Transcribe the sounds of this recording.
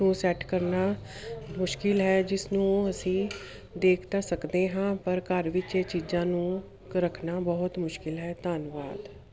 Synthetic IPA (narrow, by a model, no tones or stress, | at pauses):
ũːsɛːʈkəɾnaː | mʊʃkɪlɦɛːd͡ʒɪsnũːəsĩː | d̪eːkʰt̪aːsəkd̪eːɦãːpəɾkəɾʋɪt͡ʃeːt͡ʃiːd͡ʒãːnũː | kɾəkʰnaːbəɦʊt̪mʊʃkɪlɦɛːt̪aːnʋaːd̪